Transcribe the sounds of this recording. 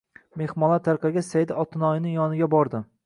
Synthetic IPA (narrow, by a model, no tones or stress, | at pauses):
me̞hmɒlˠat̪ʰaɾqʰɑɡʲasajd̪aɒt̪ʰɪnɒjɪnɪŋjɒnɪɡʲabɒɾd̪ɪ